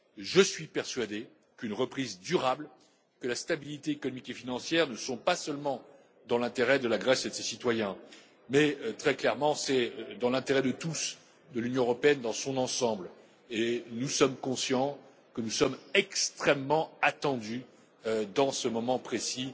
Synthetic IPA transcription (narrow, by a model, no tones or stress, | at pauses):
ʒəsɥipɛʁsɥad̪e | kynʁəpχizd̪yʁabl | kəlast̪abilit̪eːkɔnɔmikefinɑ̃sjɛʁnəsɔ̃pasœlmɑ̃ | d̪ɑ̃lɛ̃t̪eʁɛd̪əlaɡʁɛsed̪əsesit̪wajɛ̃ | mɛt̪χɛklɛʁmɑ̃sɛød̪ɑ̃lɛ̃t̪eʁɛd̪ət̪us | d̪əlynjɔ̃əʁɔpeɛnd̪ɑ̃sɔ̃nɑ̃sɑ̃bl | enusɔmkɔ̃sjɑ̃ | kənusɔmɛkst̪χɛmːɑ̃at̪ɑ̃d̪y | d̪ɑ̃səmɔmɑ̃pχesi